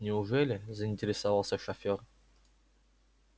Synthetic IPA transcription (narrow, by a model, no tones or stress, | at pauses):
nʲɪʊʐɛlʲɪzəɪnʲtʲɪɾʲɪsɐvɑlˠsəʂɐfʲor